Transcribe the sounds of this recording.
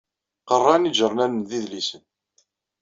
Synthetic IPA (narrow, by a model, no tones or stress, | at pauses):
qərˤːɑniʒəɾˤnænənðiðlisən